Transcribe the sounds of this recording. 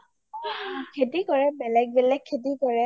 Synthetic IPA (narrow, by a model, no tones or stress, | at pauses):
kʰetikɔɹɛbɛlɛk̚bɛlɛkʰːetikɔɹɛ